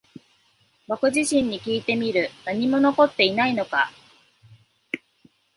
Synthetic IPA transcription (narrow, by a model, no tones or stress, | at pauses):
βakɯ̟ʑiɕĩɲ̟ːikʲiːt̪e̞mʲiɾɯ̟naɲ̟imo̞no̞ko̞t̪ːe̞inaino̞ka̰